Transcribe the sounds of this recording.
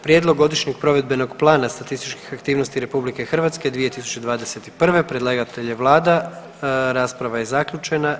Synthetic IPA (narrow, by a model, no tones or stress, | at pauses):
pɾjed̪lˠo̞ɡːo̞d̪iʃɲe̞ɡ̚pɾo̞ʋe̞d̪be̞no̞ɡplˠaːnast̪at̪ist̪it͡ʃki̥xakt̪iːʋno̞st̪iɾe̞publike̞xr̩ʋat̪ske̞d̪ʋije̞t̪isu̥t͡ɕed̪ʋaːd̪e̞se̞t̪i̥pr̩ʋe̞pɾedlˠaɡat̪eʎeʋlˠaːd̪a | ɾaːspɾaʋaje̞zakʎut͡ʃe̞na